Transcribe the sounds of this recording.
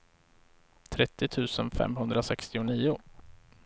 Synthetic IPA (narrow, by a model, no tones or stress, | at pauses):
t̪ʰɾɛt̪ːɪt̪ʰʉ̟ːsənfɛ̰mɦɵnd̪ɾasɛkst̪ɪʊniːʊ